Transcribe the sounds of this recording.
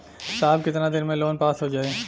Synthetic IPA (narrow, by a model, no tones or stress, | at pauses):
saːb̚kɪt̪nad̪ɪnmẽloːnpaːsɦod͡ʒaːeː